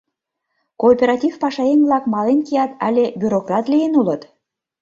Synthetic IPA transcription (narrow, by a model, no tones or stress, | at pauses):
koːpʲeɾɑt̪ʲivpɑʃɑenvlɑkmɑlenkijɑt̪æ̰lʲebʲyɾokrɑt̪lijenulət̪